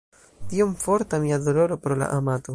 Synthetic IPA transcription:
tiomfoɾtamiadoloɾopɾola̰ʔamato

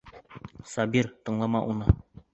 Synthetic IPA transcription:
sɒbiɾt̪ɤ̆ɴlˠɑmɑʔunɤ

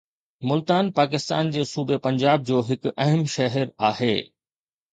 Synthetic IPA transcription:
mʊlt̪aːnpaːk̬ɪst̪a̰ːnd͡ʑeːsuːbʱepɐ̃ɲd͡ʑaːb̚d͡ʑoːɦɪkʊɐɦəmʃɐɦəɾaːɦḛː

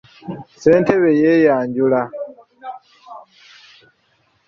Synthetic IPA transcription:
sentʰeβejejaːɲɟula

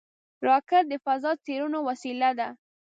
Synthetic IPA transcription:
ɾɑkaɾd̪əfazɑd̪̚t͡seɾunowasilad̪a

